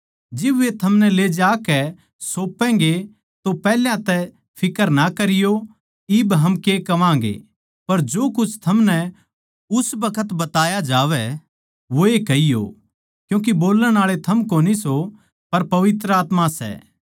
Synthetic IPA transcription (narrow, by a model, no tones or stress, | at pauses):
d͡ʒɪbʋet̪ʰɐmnɛled͡ʒaːkɛ | soːpːɛ̃ːŋɡe | t̪opɛːljãt̪ɛ | pʰɪkəɾnɐkɐɾɪjo | ɪbɦɐmkekɐʋãːŋɡḛ | pɐɾd͡ʒoːkʊt͡ʃʰt̪ʰɐmnɛ | ʊsbɐkʰət̪bɐt̪aːjad͡ʒaːʋɛ | ʋoekɐijo̰ | kjũːk̬iboːləɽ̃aːɭet̪ʰɐmkoːniso | pɐɾpɐʋɪt̪ɾəaːt̪mãsɛ̰